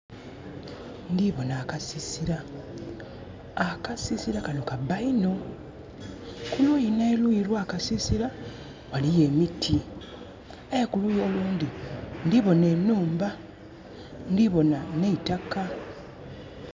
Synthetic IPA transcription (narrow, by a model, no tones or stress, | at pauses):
ndiβo̞naːkasisiɾa | kasisiɾakanokabaino̞ | kulojineːlwiɾwaːkasisiɾa | walije̞ːmitʰi | ajekulujo̞ːluːndindiβo̞ne̞ːnuːmba | ndiβo̞naneitaka